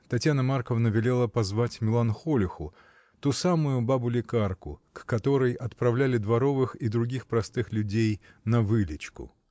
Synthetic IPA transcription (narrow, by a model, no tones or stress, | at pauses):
t̪ɐtʲjanəmarkəvnəvʲɪlʲe̞lˠəpɐzvatʲmʲɪlˠanxolʲɪxʊ̰ | t̪usamʊjʊbabʊlʲɪkarkʊ̰kːɐt̪o̞ɾəjɐt̪pɾɐvlʲælʲɪd̪vɐɾo̞vɨxid̪ɾʊɡʲixpɾɐst̪ɨxlʲʉdʲej | nɐvɨlʲɪt͡ɕkʊ̰